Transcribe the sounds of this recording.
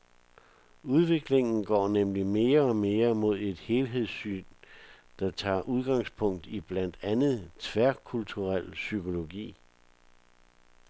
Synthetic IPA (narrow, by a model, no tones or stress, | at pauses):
uð̞ˠʋe̝ɡ̥le̝ŋn̩ɡ̥ɒ̰ːnemlime̝ːɐɒ̽me̝ːɐmo̝ð̞̰ˠe̝d̥he̝ːlɦe̝ð̰ˠsy̰ːn | d̥ɑ̈t͡sʰɑ̰̈ːʔuð̞ˠɡ̥ɑ̈ŋspʰɔ̽ŋ̰d̥ib̥læn̰d̥ænð̞̩ˠt͡sʰʋæɐkʰult͡sʰuʁal̰sykʰo̝lo̝ɡ̥ḭː